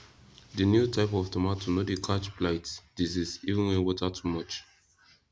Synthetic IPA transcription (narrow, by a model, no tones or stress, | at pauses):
dənjutʰaɪpɔftʰɔmatʰːunodikʰat͡ʃplaɪtsd̥izisivə̃nwɛ̃wɔtatʰumɔt͡ʃ